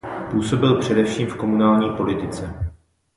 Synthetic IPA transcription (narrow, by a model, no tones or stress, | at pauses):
puːso̞bɪlpr̝̥ɛdɛfʃiːmfko̞munaːlɲiːpo̞lɪt̪ɪt͡sɛ